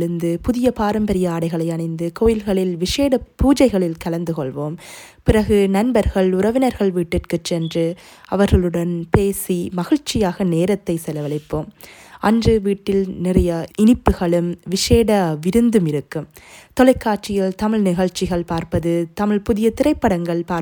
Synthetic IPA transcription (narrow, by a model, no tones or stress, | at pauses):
ɭɯnd̪ɯpʊðɪjɐpaːɾɐmbɐɾɪjɐaːɽɐɪɣɐɭɐɪɐnɳɐɪnd̪ɯkoːjɪlɣɐɭɪlʋɪʂeːɽɐpuːd͡ʒɐɪɣɐɭɪlkɐlɐnd̪ɯkɔɭʋoːm | pɪɾɐɣɯnɐnbɐɾɣɐɭʊɾɐʋɪnɐɾɣɐɭʋiːʈːɪrkɯt͡ʃːɛndrɯ | ɐʋɐɾɣɐɭɯɽɐnpeːsimɐɣɪɻt͡ʃːɪjaːɣɐneːɾɐt̪ːɐɪsɛlɐʋɐɭɐɪpːoːmɐndrɯʋiːʈːɪlnɪrɐjɐɪnɪpːɯɣɐɭɯmʋɪʂeːɽɐʋɪɾɯnd̪ɯmɪɾɯkːɯmt̪ɔlɐɪkːaːʈt͡ʃɪjɪlt̪ɐmɪɭnɪɣɐɭt͡ʃːɪɣɐɭpaːɾpɐðɯt̪ɐmɪɭpʊðɪjɐt̪ɪɾɐɪpːɐɽɐŋɡɐɭpaː